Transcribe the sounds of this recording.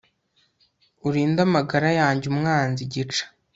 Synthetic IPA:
uɾiːndamaɡaɾajaːɲɟumŋaːnziɟit͡ʃḁ

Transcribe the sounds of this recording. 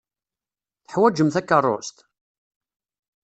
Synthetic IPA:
θəħwæd͡ʒəmθækːərˤːo̰st̪

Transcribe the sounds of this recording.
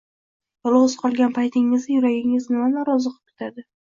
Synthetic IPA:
lˠozqʰɒlˠɡʲanpʰajt̪ʰɪŋɪzɪjʊɾaɡʲɪŋɪznɪmanɒɾɒzɨqʰɨ̥p̚kʰʲɪ̥t̪ʰad̪ɪ

